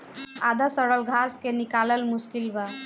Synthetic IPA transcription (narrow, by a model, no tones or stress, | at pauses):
a̰d̪asəɽəlɡʱaskenikaləlmuskilba